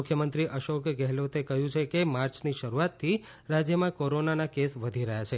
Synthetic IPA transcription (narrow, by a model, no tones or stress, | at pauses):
ʊkʰjəmənt̪ɾiʔəʃokɡɛɦlot̪ekəɦjũt͡ʃʰekemaɾt͡ʃniʃəɾuat̪ʰːi | ɾad͡ʒjəmãkoɾonanakesʋəd̪ʱiɾəɦjat͡ʃʰe